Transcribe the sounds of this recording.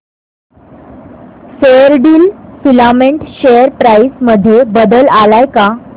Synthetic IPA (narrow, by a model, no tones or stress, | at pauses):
sejəɾɖiːlfilamẽɳʈɕejəɾpɾaisməd̪ʱjebəd̪əlalajka